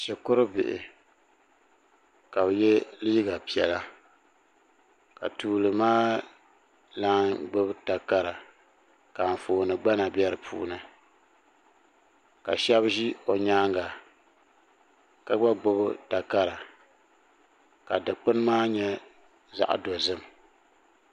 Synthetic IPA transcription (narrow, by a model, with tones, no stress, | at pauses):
ʃɛ˨kʊ˦ɾɨ˦bɪ˨ʔɪ̰˨ | ka˨bjɛ˦liː˦ɡa˨pi˨ɛ˨la˦ | ka̰˨tuː˨lɨ˨maː˦ | laː˦nɡ͡bʊ˦bta˨ka˦ɾa˨ | kaː˨n˨foː˨nɨ˨ɡ͡ba˦na˨bɛ˦ɾɨ˨pʰṵː˦nɨ˨ | ka̰˨ʃɛ˦bʒi˦o˨ɲaː˦ŋɡa˨ | ka˦ɡ͡ba˦ɡ͡bʊ˦bta˨ka˦ɾa˨ | ka˨dɨ˨k͡pɨ˦n˦maː˦ɲɛ˦ | za̰˦˨ʔdo˨zɨ˦m